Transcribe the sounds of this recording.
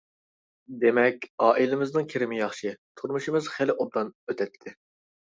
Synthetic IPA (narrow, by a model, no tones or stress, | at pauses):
d̪emɛkʲɑːʔilɪmɪznɨŋkʲʰiɾɪmɪjɑχʃɨt̪ʰuɾmuʃimɨzχelɪʔob̚d̪ɑnøt̪ʰɛt̪ʰːɪ